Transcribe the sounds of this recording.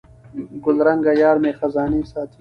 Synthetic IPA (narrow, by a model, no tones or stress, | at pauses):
ɡʊlɾɐ̃ŋɡaːjaːɾmẽːxɐzaːniːsaːt̪ʰ